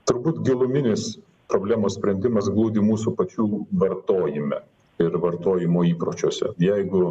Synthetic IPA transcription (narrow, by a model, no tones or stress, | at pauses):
t̪ʊɾbuːt̪ɡʲɪlˠʊmʲɪnʲɪs | pɾoːbʲlʲæːmoːsʲpʲɾʲɛnʲd̪ʲɪmɐs̬ɡlˠuːd̪ʲiːmuːsupɐt͡ʃʲuːʋɐɾt̪oːjɪmʲɛ̰ | ɪɾʋɐɾt̪oːjɪmoːiːpɾoːt͡ʃʲoːsʲɛ̰jɛɪɡʊ